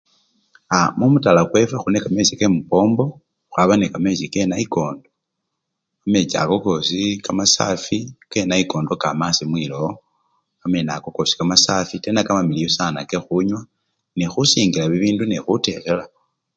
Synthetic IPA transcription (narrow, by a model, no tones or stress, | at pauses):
amumutalakwe̞fexunekame̞t͡ʃikemupo̞ːmbo̞ | xwaβanekame̞t͡ʃike̞naiko̞ːndo | ame̞t͡ʃia̰ko̞ko̞sikamasa̰fike̞naiko̞ːndokamasimwiːlo | kamenakokosi̥kamasafitenakamamilijosanakexuɲwa | nexusiːŋɡilaβiβiːndunexute̞lela